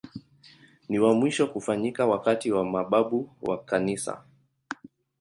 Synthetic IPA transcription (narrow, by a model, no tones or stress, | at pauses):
niwamwiʃɔkufaɲikawakatiwamaɓaɓuwa̰kanisa̰